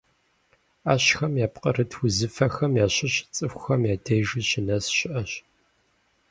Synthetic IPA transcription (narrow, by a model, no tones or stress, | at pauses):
aːɕxɐmjaːpqʼəɾɨtʰwʊzɨfɐxɐmjaːɕɐɕɪt͡sʼɨxʷʊxɐmjaːdʰejʒɨɕɪnɐsɕɪʔɐɕ